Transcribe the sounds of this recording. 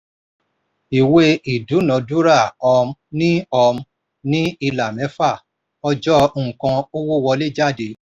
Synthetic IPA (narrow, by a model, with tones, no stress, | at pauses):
i˨we˦ʔi˨du˨˦nɔ̃˨˧du˦ɾa˦˨ɔ˧m˦nĩ˦ɔ˧m˦ | nĩ˦i˧la˨mɛ̃˨˦fa˦˨ | ɔ˧d͡ʒɔ̃˦˨kã˧o˦wo˦wɔ˧le˦˨d͡ʒa˦˨de˨˦